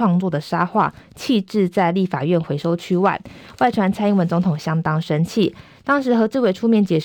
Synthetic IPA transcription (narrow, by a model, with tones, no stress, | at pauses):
ɑ˥˧ŋt͡swɔ˥˩d̪ə˩ʂa˥xwa̰˥˩t͡ɕʰi˥˧ʈ͡ʂɻ̩˥˧t͡sa˥˧ɪli˥˩fa˨˩ɥɛ˥˩nxwe˧˥ɪʂo˥ʊt͡ɕʰy˥wa̰˥˩ɪwa˥˩ɪt̪ʰwa˧˥nt͡sʰa˥ɪi˧˥ŋwə˧˥nt͡so˧˥ŋt̪ʰʊ˨˩ŋɕjɑ˥ŋt̪ɑ˥ŋʂə˥nt͡ɕʰi˥˩ | t̪ɑ˥ŋʂɻ̩˧˥xɤ˧˥t͡sɹ̩˥˧we˥˩ɪʈ͡ʂʰu˥mjɛ˧˥nt͡ɕjɛ˨˩